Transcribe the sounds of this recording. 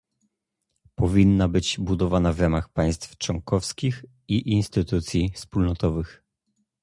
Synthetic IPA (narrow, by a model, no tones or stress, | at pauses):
pɔvʲinːabɘd͡ʑbud̪ɔvanavɾamaxpaj̃st̪ft͡ʂwɔ̃ŋkɔfskʲix | iʔinst̪ɘt̪ut̪sʲjifspulnɔt̪ɔvɘx